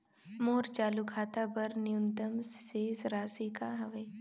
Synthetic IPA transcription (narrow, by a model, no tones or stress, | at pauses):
moːɾt͡ʃaːlukʰaːt̪abɐɾnɪjʊnt̪əmseːzɾaːsikaɦɐʋəj